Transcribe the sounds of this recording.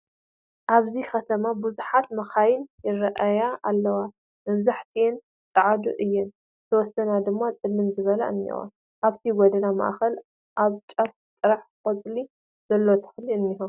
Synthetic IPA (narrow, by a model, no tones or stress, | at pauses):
ʔaβzixɐt̪ʰɐmabuzuħat̪mɐxajɪnjɪrɐʔajaalːɐwa | mɐβzaħt̪ʰijn | t͡sʼɨʕad̪ṵʔɨjːɪn | t̪ʰɐwɔsːɐnad̪ɨmːat͡sʼɨlːɨmzɨβɐlɐ̰ɨ̰nːḭwa̰ | ʔaβt̪ʰiɡɔd̪ɐnamɐ̰ʔxɐl | ʔaβt͡ʃʼɐf | t̪ʼɨɾaħkʼɐt͡sʼli | z̥ɐlːo̞t̪ʰɨ̥ħliɨnːiɦu